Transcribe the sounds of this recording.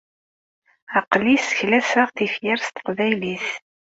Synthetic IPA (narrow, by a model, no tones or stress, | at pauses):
ɑqlisçlæsæʁθifjɪɾst̪ə̥qvæjliθ